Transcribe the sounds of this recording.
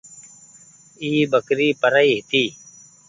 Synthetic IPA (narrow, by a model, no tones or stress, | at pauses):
iːbəkɾiːpəɾəiːɦɪt̪iː